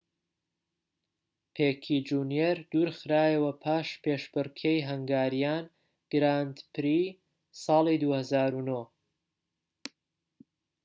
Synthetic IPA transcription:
pʰeːkʰid͡ʒunjeɾd̪̥uːɾxɨɾaːjəwɐpʰaːʃpʰeʃbɨɾkʰejɦɐŋɡaːɾijaːn | ɡ̥ɾand̪pʰɨɾiː | sɑːlˠid̪uːhɐzaːɾuno

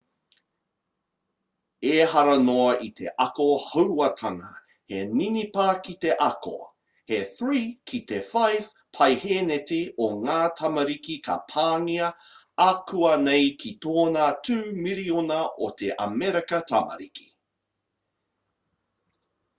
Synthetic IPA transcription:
eːɦɐɾɐnoɐʔit̪ʰe̞̰ʔɐkohɐwɐtʰɐŋɐ̰ | heninipakit̪e̞ʔɐko̰ | heθɹiːkʰit̪efajv̥pʰɐjheneteʔoŋaːtʰɐmɐɾikikʰɐ̰pʰaːniɐ | akuɐnejkʰit̪oːnatʰʉːmiɾionɐʔo̰t̪eʔɐ̰mɛɾekɐtʰɐmɐ̰ɾiki̥

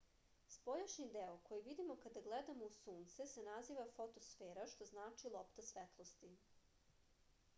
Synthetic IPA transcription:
spo̞jaʃnid̪eokʰo̞jiʋid̪imokad̪aɡled̪amousuːnt̪sesenaziːʋafo̞t̪o̞sfeːɾaʃt̪o̞znaːt͡ʃilˠo̞pt̪asʋet̪lˠost̪i

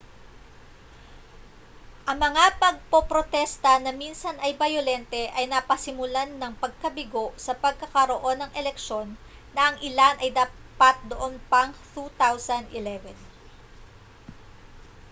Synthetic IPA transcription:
ʔɐŋmɐŋapɐɡ̚popɾot̪ɛst̪ɐnɐminsɐnɐjbɐjolɛnt̪ɛʔɐjnɐpɐsɪmʊlanːɐŋpɐɡ̚kɐbɪɡo̞ʔsɐpɐɡ̚kɐkɐɾo̞ʔo̞nːɐŋʔɛlɛk̚ʃo̞nː | ɐʔɐŋʔɪlanʔɐjd̪aːpat̪̚d̪oʔonpɐŋt̪ut̪awsɐnd̪ʔɪlɛvɛn

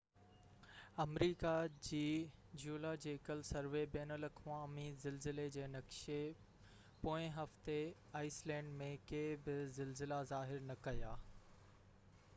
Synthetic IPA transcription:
ɐmɾiːkad͡ʑiːd͡ʑuːlad͡ʑeːkəlsɐɾʋebeːnəlɐkʰʋãɐmiːzɪlzɪled͡ʑeːnɐkʃe | poːɪ̃ɦɐft̪e | aːɪslɛ̃ːɳɖmẽkeːbɪzɪlzɪlazaːɦɪɾnɐkɐjaː

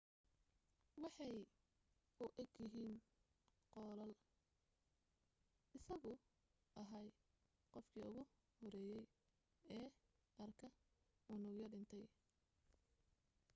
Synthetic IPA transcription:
wɑħɑj | ʔʊʔɐɡjɪɦiːn | qɔːlɐl | ʔɪsɐɣʊ | ʔɐɦɐj | qɔfkʰiːʊɣʊ | hɔɾɛːjɛj | ɛː | ʔɐrkʰɐ | ʊnʊɣjɐɖɪnt̪ʰɛj

